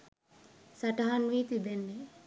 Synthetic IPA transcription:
sɐʈɐɦanʋiːt̪ibenːe

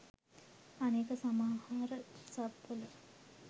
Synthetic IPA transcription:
aneːkəsamaːhaːɾəsabːələ

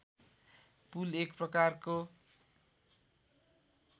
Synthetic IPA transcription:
pulekprʌkarko

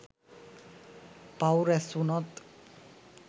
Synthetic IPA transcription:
pawɾɛsunɔt̪

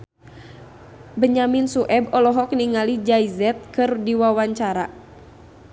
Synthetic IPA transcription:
bəɲaminsuʔɛbɔlɔɦɔk̚niŋalid͡ʒaizɛt̪̚kɨrdiwawaɲt͡ʃaɾa

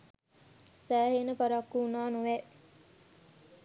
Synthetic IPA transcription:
sæːɦenəpaɾakːunaːnuʋe

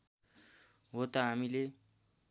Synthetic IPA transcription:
ɦot̪ʌɦamile

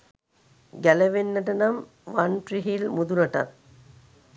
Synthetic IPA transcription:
ɡæləʋenːəʈənɐm | ʋanʈriɦilmud̪ulɐʈɐ̰t̪̚

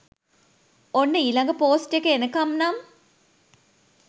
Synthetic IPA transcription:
onːəiːlɐŋɡəpoːsʈjekəenəkɐmnam

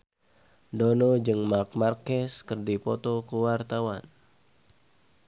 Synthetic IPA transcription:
donɔd͡ʒɨŋmak̚markɛskərdipɔt̪ɔkəwart̪awan

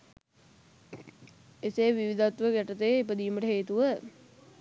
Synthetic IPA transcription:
esejʋiʋid̪at̪ʋəɡæʈət̪əjːep̬əd̪iːməʈəɦeːt̪uʋə

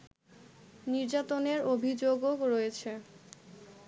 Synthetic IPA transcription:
niɾd͡ʑat̪oneɾobʱid͡ʑoɡoɡɾojet͡ɕʰe

